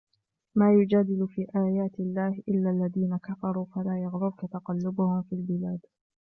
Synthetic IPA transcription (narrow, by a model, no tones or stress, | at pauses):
maːjʊd͡ʒaːd̪ɪlfiːʔaːjaːt̪ɪlːaːhʔɪlːaːlːaðiːnakafɑɾˤuːfalaːjɑɣɾʊbkat̪ɑqɑlːʊbʊhʊmfiːlbɪlaːd̪